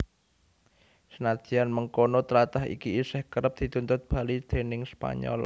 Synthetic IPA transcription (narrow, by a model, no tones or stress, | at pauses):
sənad̥ʒ̥ianməŋkonot̪əlat̪aɦḭkiːsɛhkəɾəp̚d̪̥i̤t̪unt̪ʊt̪̚b̥a̤lid̪̥e̤nɪŋspa̰ɲɔ̰l